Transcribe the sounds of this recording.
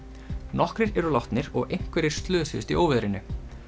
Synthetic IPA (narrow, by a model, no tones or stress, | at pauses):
nɔhkɾɪɾɛɾulawht̪nɪɾɔɣejŋ̥kvɛɾɪɾ̥st̪lœːsʏ̰st̪ioːwvɛðɾɪnʏ